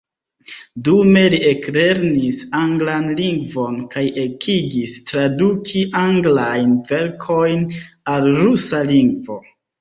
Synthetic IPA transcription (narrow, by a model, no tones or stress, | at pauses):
dume̞liekle̞ɾnisaŋɡlanliŋɡvo̞nkajekʰiɡistɾadukʰiʔaŋɡlajnve̞ɾkʰo̞jn | alɾusaliŋɡvo̞